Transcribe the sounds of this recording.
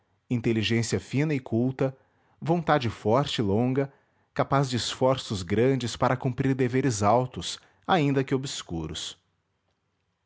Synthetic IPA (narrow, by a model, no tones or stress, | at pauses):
ĩnt̪eliʒẽsiɐfĩnɐɪkʰuwt̪ɐ | võnt̪ad͡ʒɪfɔɾt͡ʃɪɪlõɡɐ | kapazd͡ʒɪsfɔɾsʊzɡɾɐ̃d͡ʒɪspaɾɐkũmpɾiɾd̪eveɾɪzawt̪ʊs | aĩnd̪ɐkɪobɪskuɾʊ̰s